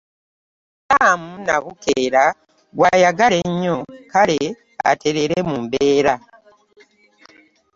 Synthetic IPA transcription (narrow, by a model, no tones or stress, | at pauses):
taːmunaβukeɾa | ɡwajaɡale̞ɲːokale | a̰tʰe̞ɾeɾemumbeːɾa